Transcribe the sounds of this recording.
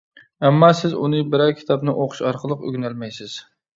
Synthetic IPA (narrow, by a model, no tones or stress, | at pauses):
ɛmːɑsɪzṵnɨbɪɾɛwkʲʰi̥t̪ʰɑbnɪʔoqʰʊ̥ʃɑɾqʰəlˠəqy̰ɡʲnælmɛjsɪz̥